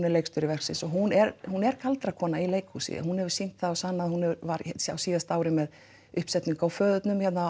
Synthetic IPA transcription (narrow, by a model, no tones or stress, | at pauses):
nɛɾlejkst̪ʏɾɪvɛr̥ksɪnsɔɦunɛɾhunɛɾ̥kʰalt̪ɾakʰɔːnailejkhusɪ̰hunhɛvʏɾ̥sin̥t̪θaɔsanːaðhunhɛvʏɾvaɾɛsja̰wsiːðast̪aːwɾɪmɛð | ʏhpsɛt̪niŋkawfœːðʏt̪nʏmçɛt̪na